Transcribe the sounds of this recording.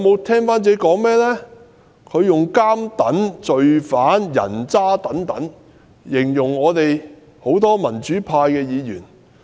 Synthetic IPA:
mo˨˧wt̪ʰɛː˥ŋfaː˥nt͡siː˨˥kɔː˨˥ŋmɛː˥lɛː˥ | kʰɵ˨˧ɥjʊ˨ŋkaː˥mt̪ɐ˨˥nt͡ʃɵ˨ɥfaː˨˥njɐ̰˨˩nt͡saː˥t̪ɐ˨˥ŋt̪ɐ̰˨˥ŋ | jɪ˨˩ŋjʊ˨˩ŋːɔː˨˧t̪e˨j | ho˨˥wt̪ɔː˥mɐ˨˩nt͡ʃyː˨˥pʰaː˧jkɛː˧jiː˨˧jyː˨˩n

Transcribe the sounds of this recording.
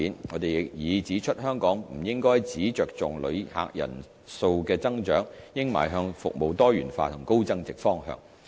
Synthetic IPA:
iː˨˥nŋɔː˨˧t̪e˨jjɪ˨k̚jiː˨˧t͡siː˨˥t͡ʃʰɵ˥t̚hœː˥ŋkɔː˨˥ŋm̩˨˩jɪ˥ŋkɔː˥jt͡siː˨˥t͡ʃœː˨k̚t͡sʊ˨ŋlɵ̰˨˧ɥha̰ː˨k̚jɐ̰˨˩n | so˧wkɛː˧t͡sɐ˥ŋt͡ʃœː˨˥ŋjɪ˥ŋma̰ː˨˩jɦœː˧ŋfʊ̰˨k̚mo˨wt̪ɔː˥ɥyː˨˩nfa̰ː˧t̪ʰʊ˨˩ŋko˥wt͡sɐ˥ŋt͡sɪ˨k̚fɔː˥ŋɦœ̰ː˧ŋ

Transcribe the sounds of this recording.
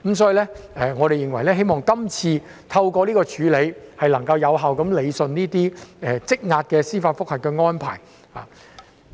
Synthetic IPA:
kə˨˦msɔː˨˥ji˨˧lɛː˥ɛ˨˧ŋɔː˨˧ɾe˨jɪ˨ŋwɐ˨˩jlɛː˥ɦe˥jmɔː˨ŋkɐ˥mt͡sʰiː˧t̪ʰɐ˧wkɔː˧liː˥kɔː˧t͡ʃʰyː˨˧le˨˧jhɐ˨jlɐ˨˩ŋkɐ˧wjɐ˨˧wɦaː˨wkɐ˨˥mle˨˧jsɵ˨nniː˥t̪iː˥ɛ˨˧t͡sɪ˥k̚ŋaː˧t̚kɛː˧siː˥faː˧t̚fʊ˥k̚hɐ˨t̚kːɛː˧ŋɔː˥npʰa̰ː˨˩j | ha̰ː˨

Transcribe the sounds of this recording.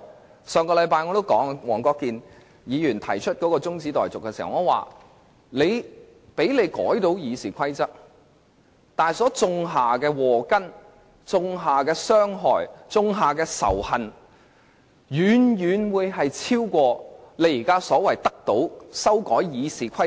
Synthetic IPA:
sœː˨˧ŋkɔː˧lɐ˨˧jpaː˧jŋɔː˨˧t̪o˥wkɔː˨˥ŋwɔː˨˩ŋkɔː˧kːiː˧n | jiː˨˧jyː˨˩nt̪ʰɐ˨˩jt͡ʃʰɵ˥t̚kɔː˨˧˥kɔː˧t͡sʊ˥ŋt͡siː˨˥t̪ɔː˨˩jt͡sʊ˨kːɛː˧si˨˩˨ɐ̰˨˩ŋɔː˨˧wa̰ː˨ | le˨˧j | pe˨˥jle˨˧jkɔ̰ː˨˥jt̪o˨˥wjiː˨˧siː˨˩kʷʰɐ˥jt͡sɐ˥k̚ | t̪aː˨jsɔː˨˥t͡sʊ˧ŋɦaː˨kɛː˧wɔː˨˩kɐ˥n | t͡sʊ˧ŋɦaː˨˩kɛː˧sœː˥ŋɦɔː˨˩jt͡sʊ˧ŋɦaː˨kɛː˧sɐ̰˨˩whɐ˨n | jyː˨˥njyː˨˧nwuː˨˧jɦɐ˨jt͡sʰiː˥wkʷɔː˧le˨˧jiː˨˩kaː˥sɔː˨˥wɐ˨jt̪ɐ˥k̚t̪o˨˥wsɐ˥wkɔː˨˥jjiː˨˧siː˨kʰɐ˥

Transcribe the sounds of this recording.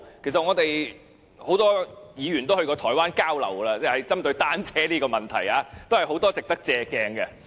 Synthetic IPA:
kʰe˨˩sɐ˨t̚ŋɔː˨˧t̪e˨j | ho˨˥wt̪ɔː˥jiː˨˧jyː˨˩nt̪o˥whɵ˧ɥkɔː˧t̪ʰɔː˨˩jwaː˥nkaː˥wlɐ̰˨˩wɡɐ˧laː˧t͡sɛː˥˩hɐ˨jt͡sɐ˥mt̪ɵ˧ɥt̪aː˥nt͡sʰɛː˥liː˥kɔː˧mɐ˨˩nt̪ʰɐ˨˩jaː˧t̪o˥hɐ˨jɦo˨˥wt̪ɔː˥t͡sɪ˨k̚t̪ɐ˥k̚t͡sɛː˧kɛː˧ŋkɛ˧

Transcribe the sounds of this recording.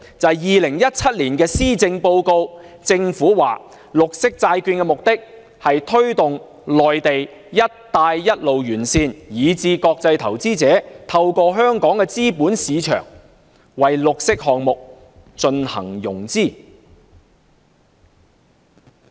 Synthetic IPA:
t͡sɐ˨wjiː˨lɪ˨˩ŋjɐ˥t̚t͡sʰɐ˥t̚liː˨˩nkɛː˧siː˥t͡sɪ˧ŋpo˧wko˧wt͡sɪ˧ŋfuː˨˥wa̰ː˨˩ | lʊ˨k̚sɪ˥k̚t͡saː˧jkyː˧nkɛː˧mʊ˨k̚t̪ɪ˥k̚ | hɐ˨jt̪ʰɵ˥ɥt̪ʊ˨ŋ | lɔː˨jt̪e˨j | jɐ˥t̚t̪aː˧jːɐ˥t̚lo˨wjyː˨˩nsiː˧njiː˨˧t͡siː˧kɔː˧k̚t͡sɐ˧jt̪ʰɐ˨˩wt͡siː˥t͡sɛː˨˥t̪ʰɐ˧wkɔː˧ɦœː˥ŋkɔː˨˥ŋkɛː˧t͡siː˥puː˨˥nsiː˨˧t͡ʃʰœ̰ː˨˩ŋ | wɐ˨jlʊ˨k̚sɪ˥k̚hɔː˨ŋmʊ˨k̚ | t͡ʃɵ˧nhɐ̰˨˩ŋjʊ̰˨˩ŋt͡siː˥˩

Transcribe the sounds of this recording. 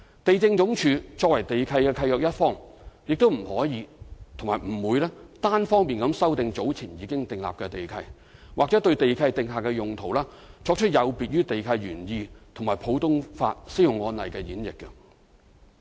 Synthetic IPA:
t̪e˨jt͡sɪ˧ŋt͡sʊ˨˥ŋt͡ʃʰyː˨˧t͡sɔː˧k̚wɐ˨˩jt̪e˨jkʰɐ˧jkɛː˧kʰɐ˧jœː˨k̚jɐ˥t̚fɔː˥ŋjɪ˨k̚t̪o˥wm̩˨˩hɔː˨˥jiː˨˧t̪ʰʊ˨˩ŋmaː˨jm̩˨˩wuː˨˧jlɛː˥t̪aː˥nfɔː˥ŋmiː˨nkɐ˨˥msɐ˥wt̪ɪ˨˧ŋt͡so˨˥wt͡sʰiː˨˩njiː˨˧˥kɪ˥ŋt̪ɪ˨ŋla̰˨p̚kɛː˧t̪e˨jkʰɐ̰˧j | waː˨k̚t͡sɛ˨˥t̪ɵ˧ɥt̪e˨jkʰɐ˧jt̪ɪ˨ŋɦaː˨kɛː˧jʊ˨˩ŋt̪ʰo˨˩wlaː˥t͡sɔː˧k̚t͡ʃʰɵ˥t̚jɐ˨˧wpi˨t̚jyː˥t̪e˨jkʰɐ˧jɥyː˨˩njiː˧t̪ʰʊ˨˩ŋmaː˨jpʰo˨˥wt̪ʊ˥ŋfa̰ː˧t̚sɐ˥jʊ˨ŋːɔː˧nlɐ̰˨˩jkɛː˧jiː˨˥njɪ̰˨kːɐ˧

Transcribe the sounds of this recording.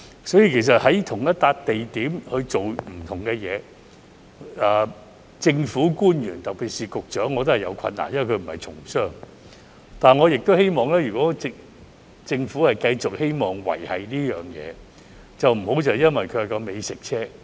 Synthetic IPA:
sɔ˨˥ji˨˧kʰe˨˩s̬ɐ˨t̚hɐ˨˥jt̪ʰʊ˨˩ŋjɐ˥t̚t̪aː˧k̚t̪e˨jt̪iː˨˥mhɵ˨˧ɥt͡ʃo˨wm̩˨˩t̪ʰʊ˨˩ŋɡɛ˧jɛː˨˧ | ɐː˨ | t͡sɪ˧ŋfuː˨˥kuː˥njyː˨˩nt̪ɐ˨k̚piː˨˩t̚siː˨˧kʊ˨k̚t͡ʃœː˨˥ŋːɔː˨˧t̪o˥hɐ˨jɐ̰˨˧wkʰɐ̰˧na̰ː˨˩njɐ˥nwɐ˨˩kʰɵ˧ɥm̩˨˩hɐ˨jt͡sʰʊ̰˨˩ŋsœː˥ŋ | t̪aː˨nŋɔː˨˧jɪ˨k̚t̪o˥whe˥jmɔː˨ŋlɛː˥jyː˨˩kʷɔː˨˥ɪ | t͡sɪ˧ŋfu˨˥hɐ˨jkɐ˧jt͡sʊ˨k̚he˥jmɔː˨ŋwɐ̰˨˩jhɐ˨jliː˥jœː˨˩ŋjɛ̰ː˨˧ | t͡sɐ˨wm̩˨˩ho˨˥wt͡sɐ˨jɐ˥nwɐ˨jkʰɵ˨˧hɐ˨˩jkɔː˧me˨˧jsɪ˨k̚t͡sʰɛː˥

